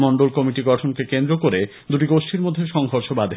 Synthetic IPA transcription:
mɔɳɖolkɔmiʈiɡɔʈʰonkekend̪ɾokoɾe | d̪uʈikoʃʈiɾmod̪ʱːeʃɔŋɦoɾʃobad̪ʱe

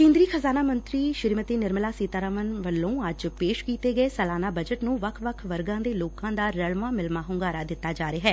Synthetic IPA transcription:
kẽːnd̪ɾiːxʰəzaːnaːmənt̪ɾiːʃɪɾmət̪iːnɪɾmlaːsiːt̪aːɾəʋənʋəlːõːəd͡ʒpeːʃkiːt̪eːɡəeːsəlaːnaːbəd͡ʒəʈnũːʋəkʰʋəkʰʋəɾɡãːd̪eːloːkãːd̪aːɾəɭmãːmɪlmaːɦʊŋɡaːɾaːd̪ɪt̪ːaːd͡ʒaːɾeːɦɛː

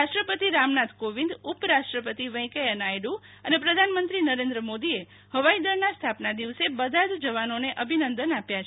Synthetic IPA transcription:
aʃʈɾəpət̪iɾamnat̪ʰkoʋĩnd̪upɾaʃʈɾəpət̪iʋə̃j̃keənajɖu | ənepɾəd̪ʱanmənt̪ɾinəɾend̪ɾəmod̪ie | həʋaid̪əɾnast̪ʰapnad̪iʋsebəd̪ʱad͡ʒd͡ʒəʋanoneʔəbʱinənd̪ənapjat͡ʃʰ

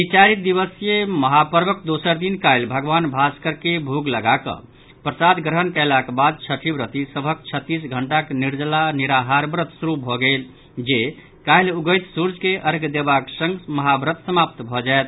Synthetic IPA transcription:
bit͡ʃaɾit̪̚d̪iβəsjeməɦapəɾbək̚d̪osəɾd̪inkajlbʱəɡbanbʱaskəɾkebʱuɡləɡakə̰̃ | pɾəsad̪ɡɾəɦənkɛɪlakbad̪̚t͡ʃʰəʈʰibɾət̪isəbʱəkt͡ʃʰət̪ːis̬ɡʱəɳʈakniɾd͡ʒlaniɾaɦaɾbɾət̪suɾubʱɔɡel | d͡ʒe | kailuɡəjt̪suɾd͡ʒkeʔəɾɡd̪ebaksə̃ŋɡməɦabɾət̪səmap̚t̪bʱɔd͡ʒaet̪

